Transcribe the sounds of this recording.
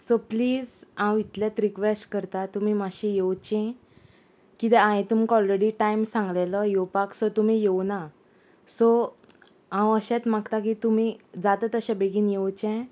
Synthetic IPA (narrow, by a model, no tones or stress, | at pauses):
sopliːd͡zãwit̪ljat̪ɾikʋesʈkəɾt̪at̪um̤imaɕijewt͡ɕɛ̃ | kit̪ɛãẽt̪umkɔlɾeɽiʈajmsãŋɡleləjowpaksɔt̪um̤ijewna | so | ãwəɕɛ̃t̪makt̪ak̬it̪um̤id͡zat̪ət̪əɕãbeɡʱiːnjewt͡ɕɛ̃